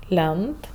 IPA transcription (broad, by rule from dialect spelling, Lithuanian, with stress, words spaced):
ˈlʲɛnt